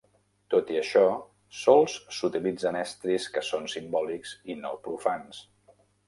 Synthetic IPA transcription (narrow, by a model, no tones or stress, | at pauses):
t̪ot̪iəʃɔ | sɔlˠsːut̪ilid͡zənɛst̪ɾiskəsonsimbɔlikzinopɾufans